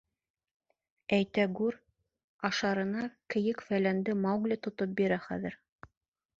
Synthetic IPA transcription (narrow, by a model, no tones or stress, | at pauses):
æjt̪æɡʉɾ | ɑʃɑɾɤ̆nɑkɘ̆jɘkfælænd̪ɘmɑwɡlʲɘt̪ŏt̪ɤp̚biɾæχæ̰ðɘ̆ɾ